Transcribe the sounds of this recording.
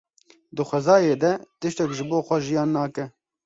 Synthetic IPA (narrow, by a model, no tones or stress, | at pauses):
d̪ɨxʷɛzɑːjeːd̪ɛt̪ɨʃt̪ɛkʒɪboːxʷɛʒijɑːnːɑːkɛ